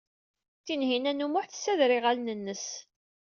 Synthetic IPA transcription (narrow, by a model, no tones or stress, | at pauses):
θinɦinænumʊħθsːæðɾɪʁælnənːəs